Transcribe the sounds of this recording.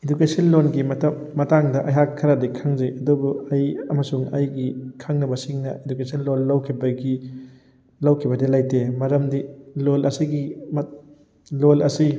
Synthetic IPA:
ed͡ʒukesɐnlonɡimɐtɐ | mɐtaŋdɐʔɐjɦakʰːɐɾadikʰaŋziɐdubuɐjɐmɐsuŋɐjɡikʰaŋnɐbɐsiŋnɐ̰edukesɐnlolːɐwkʰibɐɡi | lɐwkʰibɐdilajtemɐɾɐmdilolɐsiɡim | lolɐsi

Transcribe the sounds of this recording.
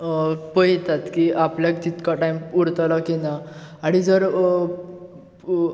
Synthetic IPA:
pəɦjt̪at̪kiʔapljak̚t͡ɕit̪kaʈajmuɽt̪alakinaaɽ̃id͡zəɾ

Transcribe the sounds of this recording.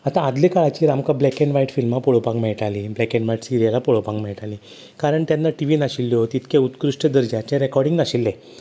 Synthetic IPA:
at̪ãːd̪lekaɭat͡ɕiːɾamkablɛkeɳɖʋaiʈfilmapoɭopãŋɡmɛɭʈaliblɛkeɳɖʋaiʈsiɾijalapoɭopãŋɡmɛɭʈaliː | kaɾəɳt̪janːaʈiʋinaɕilːiot̪it̪kẽut̪kɾuʂʈəd̪əɾd͡ʑat͡ɕɛ̃ɾekɔɾɽiŋnaɕilːe

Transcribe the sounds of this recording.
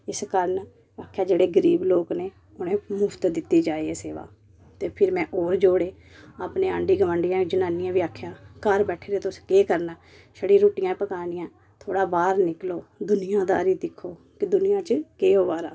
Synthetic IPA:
ɪskəɾən | aːkʰːjaːd͡ʒeːɽeːɡəɾiːbloːkneː | ʊnẽːmʊpʰt̪d̪ɪt̪ːiːd͡ʒaːiːeːseːʋa̰ː | t̪eːpʰɪɾmɛ̃ːʔoːɾd͡ʒoːɽeː | aːpnẽːə̃ːɳɖiːɡəməɳɖijãːd͡ʒənãːnijãːʋiːaːkʰjaːkəɾbɛːʈʰeːɾeːt̪ʊskeːkəɾnaː | ʃəɽiːɾoːʈɪjãːpəkaːnɪjãː | t̪ʰoːɽaːbaːɾnɪkloːd̪ʊnɪjãːd̪a̰ːɾiːd̪ɪkʰːoː | kɪd̪ʊnɪjãːt͡ʃkeːoːʋaːɾaː

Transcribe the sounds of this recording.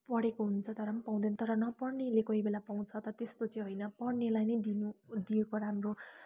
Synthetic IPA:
pʌɽekoɦunt͡sʰʌt̪ʌɾʌmʌpaw̃d̪enʌt̪ʌɾʌnʌpʌrnelekʌɦibelapaw̃t͡sʰʌt̪ʌʌt̪est̪ot͡sʌj̃ɦʌjnʌpʌrnelajnʌjd̪inud̪ijekoɾamro

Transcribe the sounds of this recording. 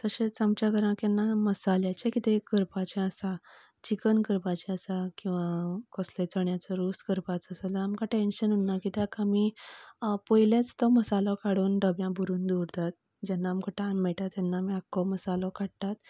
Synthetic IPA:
t̪əɕet͡samt͡ɕjaɡʱəɾãkɛnːaməsaljat͡ɕekit̪ekəɾpat͡ɕɛ̃əsã | t͡ɕikənkəɾpat͡ɕɛ̃asakĩw̃ʋakɔslet͡səɳjat͡sɔɾuskəɾpat͡səsalaːmkãʈenɕənunːakit̪akami | pɔjlet͡st̪ɔməsalɔ̃kaɽuːnɖəbjãbuɾuːnd̪uɾt̪at̪ | d͡ʑɛnːaːmkaʈãnmɛɭʈ̪at̪jɛnːaːmiakːɔməsalɔkaɽt̪at̪

